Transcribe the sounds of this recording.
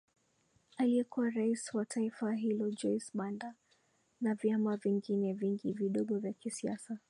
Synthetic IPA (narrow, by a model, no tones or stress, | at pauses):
aliɛkuwaɾaiswatʰaifaɦilɔd͡ʒɔjsɓanda | navjamaviŋɡinɛviŋɡiviɗɔɠɔvjakisiasa